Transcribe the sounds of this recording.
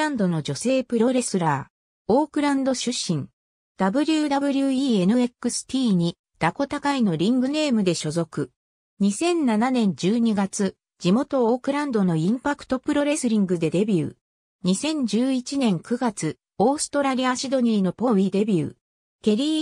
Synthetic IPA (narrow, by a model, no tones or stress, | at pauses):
ɾãnd̪o̞no̞d͡ʑo̞se̞ːpɯ̟ɾo̞ɾe̞sɨɾaː | o̞ːkɯ̟ɾãnd̪o̞ɕɨɕːĩŋ | d̪̥abɯ̟ɾʲɯːd̪abɯ̟ɾʲɯiːe̞nɯ̟e̞kːɯ̟sɨ̥t̪ʲiːɲ̟i | d̪̥ako̞t̪akaino̞ɾʲĩŋɡɯ̟ne̞ːmɯ̟d̪e̞ɕo̞zo̞kɯ̟ | ɲ̟isẽ̞nnananẽ̞ɲ̟d͡ʑɨːɲ̟iɡat͡sɨ | d͡ʑimo̞t̪o̞oːkɯ̟ɾãnd̪o̞no̞ĩmpakɯ̥t̪o̞pɯɾo̞ɾe̞sɨɾʲĩŋɡɯ̟d̪e̞d̪e̞bʲɯ̰ː | ɲ̟isẽ̞ɲ̟d͡ʑɨːit͡ɕinẽ̞ŋkɯ̟ɡat͡sɨ | o̞ːsɨ̥t̪o̞ɾaɾʲiaɕid̪o̞ɲ̟iːno̞po̞βʲid̪e̞bʲɯ̰ː | k̪e̞ɾʲiː